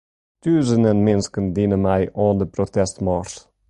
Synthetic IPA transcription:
t̪yːzənənmɪnskənd̪inəmæjʔɔnd̪əpɾɔt̪ɛst̪mɑɾs

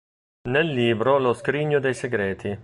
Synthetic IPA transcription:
nelːiːbɾolʊskɾiɲːʊd̪ejseɡɾɛːt̪ʰi

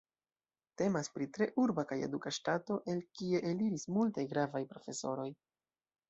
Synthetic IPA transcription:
te̞maspɾitɾe̞ʔuɾbakaje̞̰dukaʃtato̞ʔe̞lkie̞ʔeliɾismultajɡɾavajpɾo̞fe̞so̞̰ɾo̞j

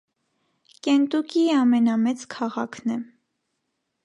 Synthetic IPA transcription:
kɛnt̪ukiɑmɛnɑmɛt͡skʰɑʁɑ̰kʰnɛ

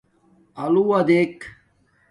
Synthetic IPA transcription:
ɐluwɐd̪ek

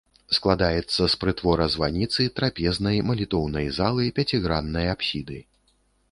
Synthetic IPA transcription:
sklˠad̪ajɛt̪sːɐspɾɨt̪vɔɾɐzvanʲit̪sɨt̪ɾapʲɛznɐjmɐlʲit̪ɔwnɐjzalˠɨpʲat͡sʲiɣɾanːɐjapɕʲid̪ɨ

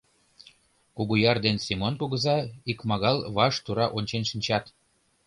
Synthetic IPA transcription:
kuɣujɑrd̪ensimonkuɣə̆zɑikmɑɣɑlβɑʃt̪uɾɑʔonʲt͡ɕenʃinʲt͡ɕɑt̪

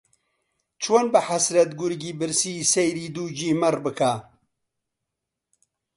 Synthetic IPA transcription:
t͡ʃʰonbɨħasɾɐt̪ɡʊɾɡiːbɨɾsisejɾiːd̪uːd͡ʒiːmɐrbɨkʰaː

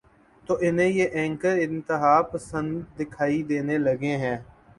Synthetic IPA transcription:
t̪oːʔɪnẽːjeːʔɛ̃ːŋkəɾɪ̃nt̪ɪɦaːpəsə̃nd̪ːɪkʰaːid̪eːneːləɡẽːɦɛ̃ː

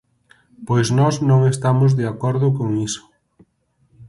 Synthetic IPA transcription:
pojznɔsnõŋest̪amʊzðeakɔɾðʊkoŋisʊ̥

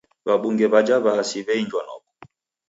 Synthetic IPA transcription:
βaɓuŋɡɛβad͡ʒaβasiβɛiɲd͡ʒwanɔ̰kɔ̥

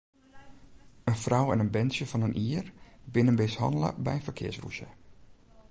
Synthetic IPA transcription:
ənfrawɛ̰nənbɛnsjəfɑnənʔiːərbɪnənʋɪshɑ̰ndlə̰bɛ̰jəfəkʰɪ̰əsrṵʃjə

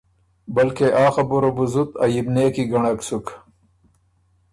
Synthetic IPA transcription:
bɐlkeʔɑːxabuɾobuzut̪a̰jibneːkiɡɐɳɐksuk

